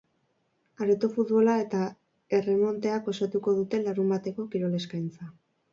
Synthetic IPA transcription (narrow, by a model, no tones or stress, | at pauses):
aɾet̪ofut̪βo̞lae̞t̪a | e̞re̞mo̞nt̪e̞ako̞sat̪uko̞ð̞ut̪e̞laɾumbat̪e̞ko̞kiɾo̞le̞skajnt͡sa